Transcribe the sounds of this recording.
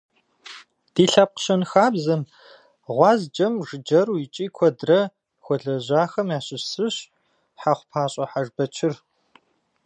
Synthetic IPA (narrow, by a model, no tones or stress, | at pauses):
d̥iːɬap̚qɕɐnxaːbzɐm | ʁʷɑːzd͡ʒɐmʐɨd͡ʒɐruit͡ʃʼiːkʷʰɔdrɐ | xʷɔɮɐʑaːxɐmjaːɕʼɪsɨɕ | ħaχʷpʰaːɕʼɐħaʒbɐt͡ʃʰɪr